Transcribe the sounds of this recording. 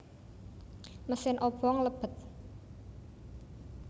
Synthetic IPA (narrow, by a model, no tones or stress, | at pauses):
məsɪnʔɔb̥ɔŋləb̥ə̤t̪̚